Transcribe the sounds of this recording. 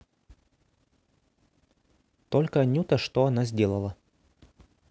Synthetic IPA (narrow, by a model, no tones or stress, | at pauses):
t̪olʲkəɐnʲut̪əʂt̪oɐnazʲdʲe̞lˠəlˠə